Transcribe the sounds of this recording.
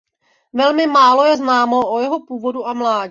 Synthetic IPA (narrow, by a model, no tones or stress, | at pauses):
vɛlmɪmaːlo̞jɛznaːmo̞ʔojɛɦo̞puːvo̞duʔamlaːɟ